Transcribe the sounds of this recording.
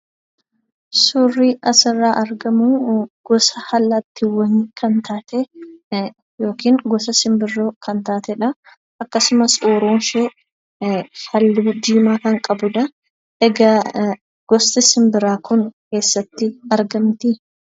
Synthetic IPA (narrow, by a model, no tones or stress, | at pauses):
sʊrːiːʔɐsɪrːaːʔɐɾɡɐmuːɡ̥ɔsɐhɐlːɐt̪ːɪwɐŋkʰɐnt̪ʰaːt̪e | jo̞ːkiːŋɡɔs̬ɐsɪmbɪrːoːkʰɐnt̪aːt̪ɛᶑɐ | ʔɐkːɐsʊmɐsoːɾoːnʃe | hɐlːɪd͡ʒ̪iːmaːkɐŋkʼɐbʊᶑ̪ɐ | ɛɡɐ | ɡ̥ɔst̪ɪsɪmbɪɾaːkʰʊŋke̞ːsːɐt̪ːɪɐɾɡɐmt̪ɪ